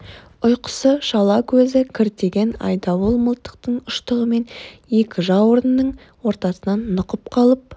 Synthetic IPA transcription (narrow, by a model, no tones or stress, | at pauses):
ʊjqə̥səʃɑlˠɑkʲʰɵzɪkʲʰɪɾt̪e̞ɡʲe̞nɑ̰jd̪ɑwolˠməlˠt̪ə̥q̚t̪əɴʊʃt̪əʁəme̞nje̞kʲɪʒɑwʊɾənːəɴ | wo̞ɾt̪ɑsənɑnːʊqəp̚qʰɑlˠəp̚